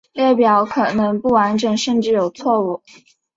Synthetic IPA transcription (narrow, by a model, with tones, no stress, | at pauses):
ljɛ˥˩pjɑ˨˥ʊkʰɤ˨˩nɤ˧˥ŋpu˥˩wa˧˥nʈ͡ʂə˨˩ŋʂə˥˧nʈ͡ʂɻ̩˥˩jo˨˩ʊt͡sʰwɔ˥˧u˥˩